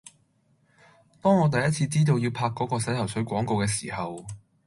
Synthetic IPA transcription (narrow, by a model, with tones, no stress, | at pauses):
t̪ɔː˥ŋɔː˨˧t̪̬ɐ˨jɐ˥t̚t͡sʰiː˧t͡siː˥t̪̬o˧wji˨˧wpʰaː˧kːɔː˨˥kɔː˧sɐ˨˥jt̪ʰɐ˨˩wsɵ˨˥ɥkʷɔː˨˥ŋko˧wkɛː˧siː˨˩hɐ˨w